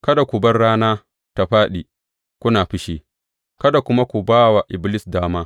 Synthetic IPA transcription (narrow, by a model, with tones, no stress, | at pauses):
kɐ˦da˨kʷu˨bɐ˦rɽaː˦naː˦ | ta˨ɸaː˦ɗi˨ | kʷʊ˦naː˨ɸɪ˦ʃe˨ | kɐ˦da˨kʷʊ˦ma˦kʷu˨baː˦wa˨ʔɪ˨blɪ˦sdaː˦maː˦